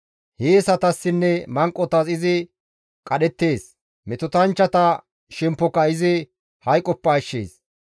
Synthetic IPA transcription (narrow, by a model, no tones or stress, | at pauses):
heːsɐt̪ɐsːɪnːɛmɐŋkʼːɔt̪ɐsɪzɪ | kʼɐɗɛt̪ːe̞ːs | mɛt̪ʊt̪ɐnt͡ʃːɐt̪ɐ | ʃɛmpːɔkːɐɪzɪ | hɐjkʼɔpːɐːʃːḛːs